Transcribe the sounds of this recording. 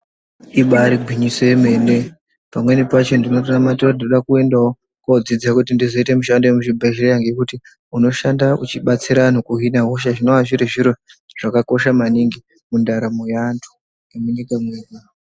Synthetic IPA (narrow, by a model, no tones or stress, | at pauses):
iɓaɾiɡʱwiɲisoje̞me̞ne̞ | pamwe̞nepat͡ʃendinotonamatioinnoɗakue̞ndao | kod͡zid͡zakutindizo̞ite̞muʃandojemuʐibʱeʒirejaŋɡekuti | uno̞ʃandaut͡ʃiɓat͡siɾaan̤ukuɦinaɦoʃ̬aʐino̞aʐiɾiʐiɾo | ʐ̥akako̞ʃamaniŋɡi | mundaɾamujantʰu̥ | emuɲikamweɡa